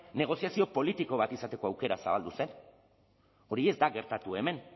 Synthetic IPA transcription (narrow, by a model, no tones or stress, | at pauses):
ne̞ɣ̞o̞siasio̞po̞lit̪iko̞βat̪isat̪e̞ko̞awke̞ɾasa̰βald̪use̞n | o̞ɾie̞zd̪aɣe̞ɾt̪at̪ue̞me̞n